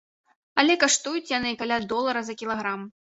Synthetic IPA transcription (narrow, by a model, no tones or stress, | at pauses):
ɐlʲɛkaʂt̪ujut͡sʲjanɨkalʲad̪ɔlˠɐɾɐzɐkʲilˠaɣɾam